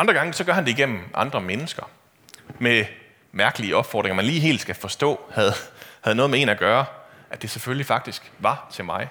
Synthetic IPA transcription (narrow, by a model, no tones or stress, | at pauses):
ʔɑnd̥ʁɐɡɑ̈ŋəsɒ̽ɡ̥ɶɐɦænde̝iɡ̥en̰m̩ʔɑ̈nd̥ʁɐmenəsɡ̥ɐ | me | mæɐɡ̥əliəɒ̽b̥fɒ̰ːd̥ʁeŋɐmænliːɦe̝̰ːld̥sɡ̥æfɒ̽sd̥ɔ̰̽ːhæð̩ˠhæð̞̩ˠnɔ̽ːðˠmee̝̰ːnæɡ̥ɶːɐ | ʔæd̥e̝seføllifɑ̈ɡ̥̚d̥isɡ̥ʋɑ̈t͡sʰe̝lmɑ̈ɪ